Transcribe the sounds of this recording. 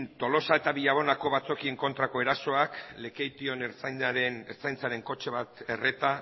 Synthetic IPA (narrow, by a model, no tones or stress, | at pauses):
nt̪o̞lo̞sae̞t̪aβiʎaβ̞o̞nako̞βat͡so̞kie̞ŋko̞nt̪ɾako̞e̞ɾaso̞akle̞kejt̪io̞ne̞ɾt͡sajnd̪aɾe̞neɾt͡sajnt͡saɾe̞ŋko̞t͡ʃe̞βat̪e̞re̞t̪a